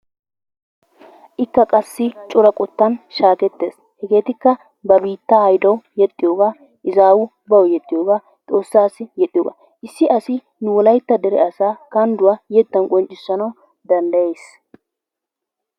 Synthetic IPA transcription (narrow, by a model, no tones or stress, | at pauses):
ʔɪkːɐkʼɐsːɪt͡ʃʼʊɾɐkʼɔt̪ːɐnʃaːkɛt̪ːeːs | hɛɡe̞ːt̪ɪkːɐ | bɐbiːt̪ːɐhɐjd̪ɐwjɛt̪ʼːɪjoːɡaː | ʔɪzaːwʊ | bɐwɔjɛt̪ʼːɪjoːɡaː | t̪ʼo̞ːsːaːsɪjɛt̪ʼːɪjoːɡa̰ː | ʔɪsːɪʔɐsɪ | nʊwɔlɐjt̪ːɐd̪ɛɾɛ̰ɐsaːkɐnd̪ʊwaːjɛt̪ːɐnkʼɔnt͡ʃʼːɪsːɐnɐw | d̪ɐnd̪ɐje̞ːs